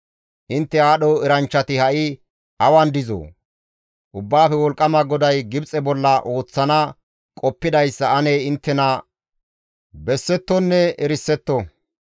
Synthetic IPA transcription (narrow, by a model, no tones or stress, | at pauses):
ʔɪnt̪ːɛaːɗɔɛɾɐnt͡ʃːɐt̪ɪhɐʔɪ | ʔɐwɐnd̪ɪzo̰ː | ʔʊbːaːfɛwɔlkʼːɐmɐɡɔd̪ɐjɡɪbt͡sʼɛbɔlːɐʔo̞ːt͡sːɐnɐ | kʼɔpːɪd̪ɐjsːɐɐneːɪnt̪ːɛnɐ | bɛsːɛt̪ːɔnːɛɛɾɪsːɛt̪ːɔ